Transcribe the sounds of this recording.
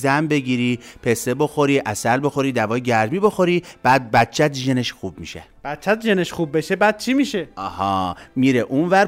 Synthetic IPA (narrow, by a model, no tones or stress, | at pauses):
zæmbe̞ɡiɾiːpʰe̞sebo̞xo̞ɾiːʔæsælbo̞xo̞ɾiːd̪ævɒːjeɟæɾmiːbo̞xo̞ɾiːb̥æːd̪̚bæt̪̚t͡ʃʰæt̪ʒene̞ʃxuːbmiʃḛ | b̥æt̪̚t͡ʃʰæt̪ʒeneʃχub̚ːeʃebæːd̪̚t͡ʃʰimiʃeɒhɒːmiɾeʔunvæɾ